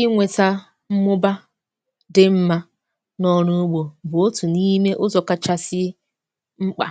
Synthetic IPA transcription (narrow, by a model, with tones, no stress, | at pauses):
ɪ˦ŋʷe˨ta˦ | m̩˦mʊ˦ba˦ | dɪ˦m̩˦ma˦ | nɔ˦ɾu˦ɡ͡bo˨bʊ˨o˦tu˨ni˦me˦ʔʊ˦zɔ˨ka˦t͡ʃa˦sɪ˦ | ŋ͡m̩˦k͡pa̰˨